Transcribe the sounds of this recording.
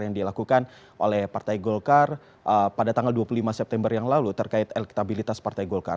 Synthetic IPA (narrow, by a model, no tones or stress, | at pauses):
jaŋdilakukan | ʔo̰lɛhpart̪ajɡɔlkar | əpadat̪aŋɡalduapululimasɛp̚t̪ɛmbərjaŋlalut̪ərkaɪt̪ɛlɛki̥t̪abilit̪aspart̪ajɡɔlka̰r